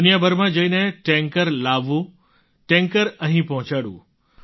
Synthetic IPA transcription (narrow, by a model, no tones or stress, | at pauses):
ʊnijabʱəɾmãd͡ʒəineʈẽŋkəɾlaʋũ | ʈẽŋkəɾəɦĩpɔɦʊ̃t͡ʃaɽṵ̃ː